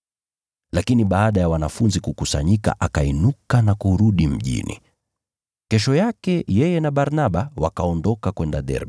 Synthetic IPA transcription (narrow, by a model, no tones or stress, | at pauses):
lakiniɓaːɗajawanafunzikukusa̰ɲika̰ʔakainukanakuɾuɗim̩ʄḭnḭ | kɛʃɔjakɛjɛjɛnaɓaɾnaɓawakaɔndɔkakwɛndaɗɛ̰ɾɓ